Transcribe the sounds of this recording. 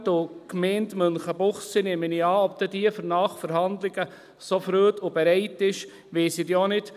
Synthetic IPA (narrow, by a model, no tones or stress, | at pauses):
dʊkmɛːntmœnχəbʊχssinɛːməniɑːɔp̚t̪ɛdiəfəɾnɑːχfəɾɦɑnd̪lɪɡ̥ə | sofɾøːtʊbɛɾɛɪtɪʃ | ʋeːsɪdjonɪt